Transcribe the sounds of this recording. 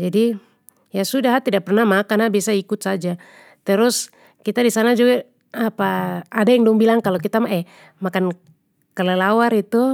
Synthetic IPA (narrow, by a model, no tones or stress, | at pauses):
d͡ʒadi | jasudaɦat̪idaʔ̚pɛrnahmakanabiasaikut̪̚sad͡ʒa | t̪ɛɾus | kit̪adisanad͡ʒuɡa | apaːdajaŋdɔŋbilaŋkalɔkit̪amaʔɛ | makan | kɛlɛlawaɾit̪u